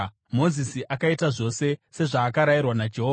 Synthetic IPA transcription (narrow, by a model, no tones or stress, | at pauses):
mo̞zisiʔakaitaʐo̞se̞se̞ʐaːkaɾairwanad͡ʒe̞ɦoːa